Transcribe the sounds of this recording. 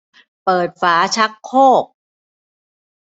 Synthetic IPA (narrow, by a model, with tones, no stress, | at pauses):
pɤː˨˩t̪̚faː˩˦t͡ɕʰa˦˥kʰːoː˥˩k̚